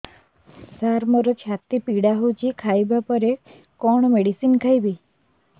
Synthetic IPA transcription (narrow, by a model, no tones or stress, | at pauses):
saɾməɾot͡ʃʰat̪ːipiɽaɦod͡ʒikʰajbapəɾe | kɔɳ̃meɽisinkʰajbi